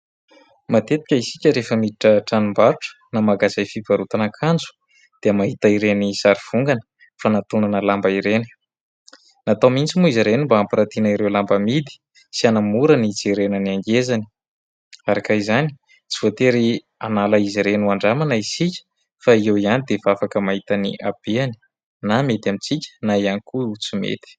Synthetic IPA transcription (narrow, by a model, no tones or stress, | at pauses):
mat̪et̪i̥kʲəisikʲəɾefəmiiʈ͡ʂəʈ͡ʂanumbaɾuʈ͡ʂə̥namaɡazajfibaɾut̪anakʰand͡zu̥ | d̪̥eəmaɦit̪aiɾenisaɾiv̥uŋɡanə̥ | fanat̪unanəlambaiɾeni̥ | nat̪amint͡simuiziɾenimbaampiɾat̪inaiɾewlambəmid̪i̥ | sianamuɾənit͡siɾenəniaŋɡezani̥ | aɾakaizani | t͡si̥voat̪eɾi | analaiziɾenuaɳɖ͡ʐamanaisikʲə̥ | faiewianid̪evafakəmaɦit̪anḭʔab̥eani̥ | namet̪amit͡sicʲə̥naianikuut͡simḛt̪i̥